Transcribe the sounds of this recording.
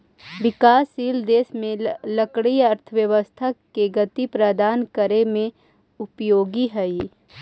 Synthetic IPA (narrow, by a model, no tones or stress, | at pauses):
ʋɪkaːsiːld̪eːsmẽləkɽijɐɾt̪ʰəʋjəʋəst̪ʰakeɡɐt̪ipɾəd̪aːnkəɾemẽ | ʊpjoːɡiɦɛi